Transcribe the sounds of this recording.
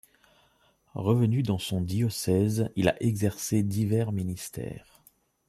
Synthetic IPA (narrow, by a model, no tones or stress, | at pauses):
ʁəvənyd̪ɑ̃sɔ̃d̪iɔsɛzila̰ʔeɡzɛʁsed̪ivɛʁminist̪ɛ̰ːʁ